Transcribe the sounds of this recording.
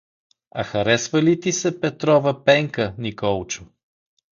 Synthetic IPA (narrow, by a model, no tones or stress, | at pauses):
ɐ̰xɐɾɛsvɐlit̪isɛpɛt̪ɾɔvəpɛŋkənikɔlˠt͡ʃʊ